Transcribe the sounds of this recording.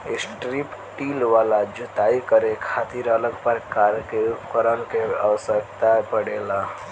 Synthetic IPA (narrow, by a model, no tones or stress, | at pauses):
ɪsʈɾip | ʈiːlʋaːlad͡ʒʊt̪aikəɾekʰat̪iɾələɡpəɾkaɾkeupkəɾənkea̰ʋəsəkt̪apəɽela